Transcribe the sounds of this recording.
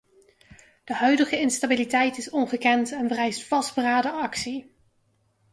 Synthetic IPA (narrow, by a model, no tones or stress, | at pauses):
d̥əɦœɥdəχəɪnstabilitɛjtɪsɔnχəkɛntɛnvərɛjstfɑsdbəraːdəɑksi